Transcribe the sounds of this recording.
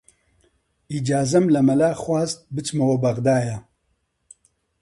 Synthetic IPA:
iːd͡ʒaːzɐmlɐmɐlaːxwaːzt̪̚bɨt͡ʃmɐwɐbɐɣd̪aːjɐ

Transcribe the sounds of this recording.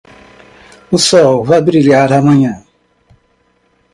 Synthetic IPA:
ʊsɔvabiɾiɾiaɾamaɲa

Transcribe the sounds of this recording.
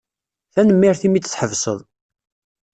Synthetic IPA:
θænəmːiɾθimit͡s̪ːt͡sːħəvsˤə̰ðˤ

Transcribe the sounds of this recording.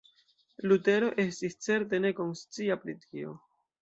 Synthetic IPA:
lute̞ɾo̞ʔe̞stist͡se̞ɾt̬e̞ne̞ko̞nst͡siapɾitʰio̞̰

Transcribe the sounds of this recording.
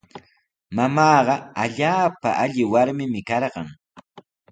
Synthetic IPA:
mamɑːɢɑaʎaːpa̰ʔaʎɪwaɾmɪmɪkɑɾɢɑŋ

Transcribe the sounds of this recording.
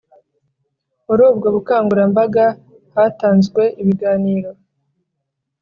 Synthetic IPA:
uɾoːbɡaβukaːŋɡuɾambaɡa | hataːnzɡwe̞ʔiβiɡaːniːɾo̞

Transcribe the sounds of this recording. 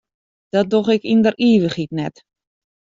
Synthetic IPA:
d̥ɔt̚doxɪkindəriːʋəxitnɛt

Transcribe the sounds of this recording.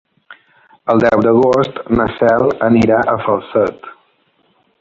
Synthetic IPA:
əlˠd̪ɛwd̪əɣost̪nəsɛlˠəniɾaʔəfəlˠsət̪

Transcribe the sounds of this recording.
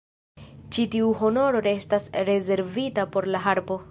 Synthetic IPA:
t͡ʃitiuɦo̞no̞ɾo̞ɾe̞stasɾe̞ze̞ɾvitapo̞ɾlaɦaɾbo

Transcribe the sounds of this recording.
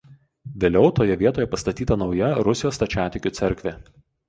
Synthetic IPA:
ʋʲeːlʲɛʊt̪oːjɛʋʲiɛt̪oːjɛpɐst̪ɐt̪ʲiːt̪ɐnɒʊjɛɾʊsʲɪjoːst̪ɐt͡ʃʲæːt̪ʲɪkʲʊt̪sʲɛɾʲkʲʋʲeː

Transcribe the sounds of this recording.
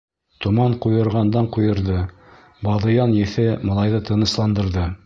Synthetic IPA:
t̪ŏmɑɴqujɤ̆ɾʁɑnd̪ɑɴqujɤ̆ɾðɤ | bɑðɤ̆jɑnjɘ̆θɘmɤ̆lˠɑjðɤt̪ɤ̆nɤ̆slˠɑnd̪ɤ̆ɾðɤ

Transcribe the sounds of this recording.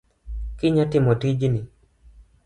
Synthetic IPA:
kɪɲatɪmɔtid͡ʒni

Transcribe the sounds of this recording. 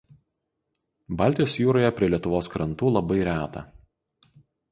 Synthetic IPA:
bɑːˑlʲt̪ʲɪjoːsjuːɾoːjɛpʲɾʲiɛlʲiɛt̪ʊʋoːskɾɐnt̪uːlˠɐbɐɪɾʲæːt̪ɐ̰

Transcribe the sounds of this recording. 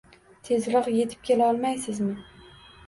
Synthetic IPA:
t̪ʰe̞zlɨqje̞t̪ʰɪ̥p̚kʲʰelaɒlˠmajsɪzmɪ

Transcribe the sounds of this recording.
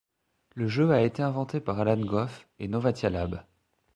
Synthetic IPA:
ləʒøaet̪eɛ̃vɑ̃t̪epaʁalanɡɔfenɔvat̪jalab

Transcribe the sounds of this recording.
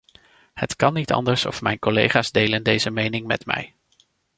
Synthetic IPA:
hətkɑnitɑ̰ndəɹsɔ̰fmɛjnkɔlḛjχaːzdejləndejzəmejnɪŋmɛ̰tmɛ̰j

